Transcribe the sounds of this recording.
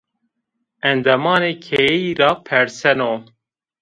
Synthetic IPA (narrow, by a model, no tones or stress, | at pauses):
ɛnd̪ɛmɑːneːkʰɛiɾɑːpʰɛɾsɛnoː